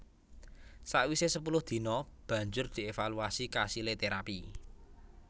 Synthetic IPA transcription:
saʔwisesəpulʊhd̪̥i̤nɔb̥ä̤ɲd͡ʒʊrd̪̥i̤efaluasikasilet̪eɾapi

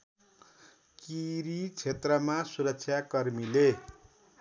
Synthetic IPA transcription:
kiɾit͡sʰet̪rʌmasuɾʌk̚t͡sʰjakʌrmile

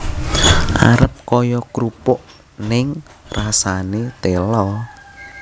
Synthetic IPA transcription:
ʔa̰ɾəp̚kɔjɔkɾupʊʔ | nɪŋ | rasanet̪elɔ

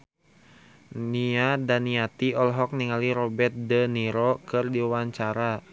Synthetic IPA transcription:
niadaniat̪iɔlɦɔk̚niŋaliɾɔbɛt̪̚dəniɾɔkɨrdiwaɲt͡ʃaɾa

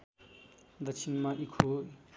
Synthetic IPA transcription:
d̪ɐt͡ʃʰinmaʔikʰu

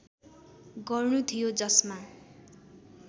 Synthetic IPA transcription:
ɡʌrnut̪ʰijod͡zʌsma

